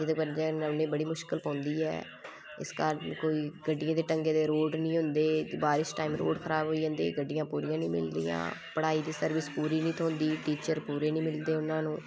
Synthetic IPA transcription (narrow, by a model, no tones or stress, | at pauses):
d͡ʒɪd̪epəd͡ʒəʊnẽːbəɽiːmʊʃkɪlpãːnd̪iːɦɛ̰ː | ɪ̰skəɾnkoːiːɡəɖːɪjãːd̪eːʈəŋɡeːd̪eːɾoːɖnĩːɦʊnd̪eːbaːɾɪsʈaːiːmɾo̰ːɖkʰəɾaːbɦoːiːãːnd̪ḛːɡəɖːɪjãːpuːɾijãːnĩːmɪ̰ld̪ḭjã̰ːpəɽaːiːd̪iːsəɾʋɪspuːɾiːnĩːt̪ʰoːnd̪iːʈiːt͡ʃəɾpuːɾeːnĩːmɪld̪eːʊnãːnũː